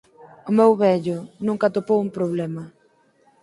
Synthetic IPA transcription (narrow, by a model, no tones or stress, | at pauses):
ʊmɛwβɛʎʊnũŋkɐt̪opowumpɾoβlɛmɐ